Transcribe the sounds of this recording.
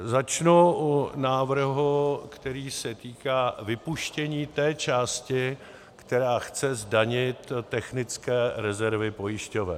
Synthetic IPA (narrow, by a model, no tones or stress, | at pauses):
zat͡ʃnuʔunaːvr̩ɦukt̪ɛɾiːsɛt̪iːkaːvɪpuʃcɛɲiːt̪ɛːt͡ʃaːscɪ | kt̪ɛɾaːxt͡sɛzdaɲɪt̪ːɛxnɪt͡skɛːɾɛzɛɾvɪpo̞jɪʃcovɛ̰